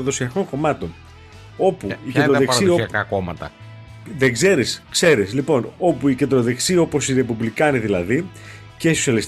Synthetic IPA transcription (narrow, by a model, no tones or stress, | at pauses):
ɐðo̞siɐko̞ŋko̞mɐt̪o̞n | o̞puiced̪ɾoesiosɐkɐkomɐ̰t̪ɐ | ðeɡze̞ɾiskse̞ɾislipo̞no̞puice̞nd̪ɾo̞ðe̞ksio̞po̞siɾe̞puvlikɐniðilɐði | ce̞isosiɐlis